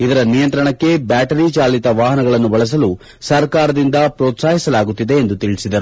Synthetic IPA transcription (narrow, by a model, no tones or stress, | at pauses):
id̪ɐɾɐnijɐnt̪ɾɐɳɐkːe̞baːʈɐɾit͡ʃaːlit̪ɐʋaːɦɐnɐɡɐɭɐnːubɐɭɐs̬ɐlu | sɐɾkaːɾɐd̪ind̪ɐpɾoːt̪saːɦisɐlaːɡut̪ːid̪e̞ːnd̪ut̪iɭisid̪ɐɾu